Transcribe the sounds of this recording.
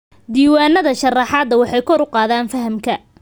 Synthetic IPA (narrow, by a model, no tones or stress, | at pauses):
d̪iːwaːnːɐðɐʃɐrɑħɑːd̪ɐwɑħɑjkʰɔɾʊqɑːðaːnfɐɦɐmkʰɐ